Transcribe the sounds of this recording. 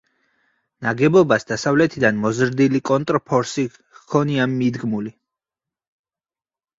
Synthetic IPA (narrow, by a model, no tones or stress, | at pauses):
naɡɛbɔbasd̪asavlɛt̪ʰid̪anmɔzɾd̪ilikʼɔnt̪ʼɾpʰɔɾsi | kʰɔniamid̪ɡmuli